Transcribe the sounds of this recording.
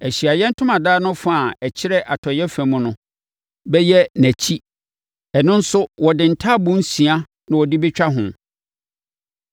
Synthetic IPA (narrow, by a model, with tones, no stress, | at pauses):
æ˨ɕi˨a˨jɛ̃˦n̩˦tʰʊ̃˦mã˨daː˦nʊ̃˦fa˦˨æ˨t͡ɕʰɪ˦ɾɛ˦ʔa˨tʰɔ˨jɛ˦fæ̃˨mʊ̃˨nʊ̃˦ | bɛ˦jɛ˦næ̃˨t͡ɕʰi˦ | ɛ˨nʊ̃˦n̩˦sʊ˦wɔ˨dɪ̃˨n̩˨tʰa˦˨bʊ̃˦n̩˦sĩ˨a˦ | nã˨wɔ˨dɪ˦bɪ˦t͡ɕᶣa˦ɦʊ̃˨